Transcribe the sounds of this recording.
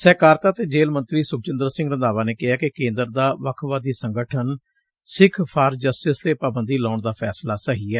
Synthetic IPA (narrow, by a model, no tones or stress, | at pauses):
sɛːkaːɾt̪aːt̪eːd͡ʒeːlmə̃nt̪ɾiːsʊk̚ʰt͡ʃɪnd̪əɾsɪ̃ŋɡɾənd̪aːʋaːneːkɪɦaːkɪkẽːnd̪əɾd̪aːʋəkʰʋaːd̪iːsəŋɡəʈʰən | sɪkʰpʰaːɾd͡ʒəsʈɪst̪eːpaːbənd̪iːləːʊɳd̪aːpʰɛːslaːsəɦiːɛː